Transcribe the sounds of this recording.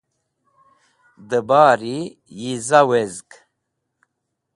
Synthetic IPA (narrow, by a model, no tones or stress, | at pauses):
d̪əbaːɾijizawezk